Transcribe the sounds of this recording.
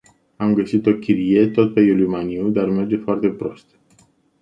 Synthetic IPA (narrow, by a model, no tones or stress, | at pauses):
amɡəsit̪o̞kʲiɾije̞t̪o̞t̪̚pejulimaniud̪arme̞rd͡ʒe̞foart̪e̞pɾo̞st̪